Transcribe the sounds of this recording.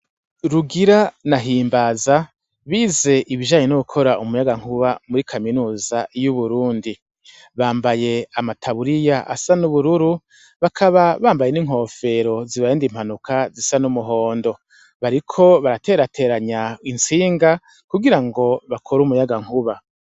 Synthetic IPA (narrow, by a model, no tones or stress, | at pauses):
ɾuɡiɾanaɦiːmbaza | βiːze̞ʔiβiʒaːɲenuβukʰo̞ɾaumujaɡaŋ̥huβamuɾikʰaminuːzajuβuɾuːndi | βaːmbaje̞amatʰaβuɾijaʔa̰sanuβuɾuɾu | βakʰaβaβaːmbaje̞niŋɦo̞ːfe̞ɾo̞ziβajeːndim̥anukʰazisanumuɦo̞ːndo̞ | βaɾikʰo̞βaɾate̞ːɾatʰe̞ɾaɲaint͡siːŋɡa | kuɡiɾaŋɡo̞βakʰoɾumujaɡaŋ̥huβa